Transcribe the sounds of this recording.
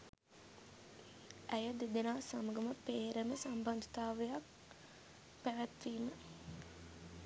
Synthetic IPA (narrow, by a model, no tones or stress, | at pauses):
æjəd̪ed̪enaːsaməɡəməpeːɾəməsamband̪ət̪aːʋəjak̚ | pæʋæt̪ʋiːmə